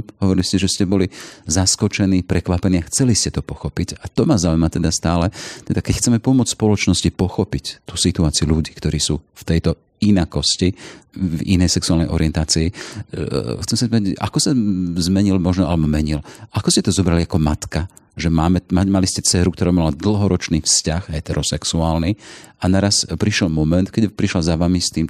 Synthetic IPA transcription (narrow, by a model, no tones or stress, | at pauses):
ɦɔʋɔɾiliscɛʒɛscɛbɔlizaskɔt͡ʃɛniːpɾɛkʋapɛniːaxt͡sɛliscɛt̪ɔpɔxɔpicat̪ɔmazaːuimat̪ɛd̪ast̪aːlɛt̪ɛd̪akɛcxt͡sɛmɛpɔmʊɔt͡sspɔlɔt͡ʃnɔscipɔxɔpict̪usit̪uaːt͡siuʎuɟiːkt̪ɔɾiːsuːft̪ɛjt̪ɔ | inakɔscivḭnɛjsɛksuaːlnɛjʔɔ̰ɾiɪɛnt̪aːt͡sii | xtt͡sɛmsazmit̪ːaɟa̰kɔsazmɛɲilmɔʒnɔalɛbɔmɛɲilʔakɔscɛt̪ɔzɔbɾaliakɔmat̪ka | ʒɛmaːmɛmamaliscɛt͡sɛːɾukt̪ɔɾaːmalad̪l̩ˠɦɔɾɔt͡ʃniːfscaxɦɛt̪ɛɾɔsɛksuaːlnianaɾaspɾiʃɛlmɔmɛnt̪kɛɟpɾiʃlazaʋamist̪iːm